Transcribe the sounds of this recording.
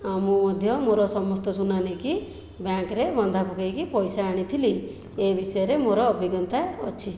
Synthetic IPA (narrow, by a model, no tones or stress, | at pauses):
amũmɔd̪ʱjɔmoɾɔsɔmɔst̪ɔsunaniki | bjaŋkɾebɔnd̪ʱapukʰajkipɔjsaːɽ̃it̪ʰili | ebisɔjɔɾemoɾɔːbiɡɔnt̪aeɔt͡ʃʰi